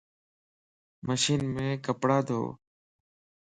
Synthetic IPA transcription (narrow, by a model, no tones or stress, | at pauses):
məʃiːnmẽːkəpɽaːd̪ʱo̰ː